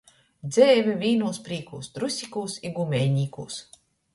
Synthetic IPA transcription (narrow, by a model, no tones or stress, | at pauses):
d̪zʲɛːvʲivʲiːnuːspɾiːkṵːst̪ɾusʲikuːsiɡumʲɛːjɲiːkṵːs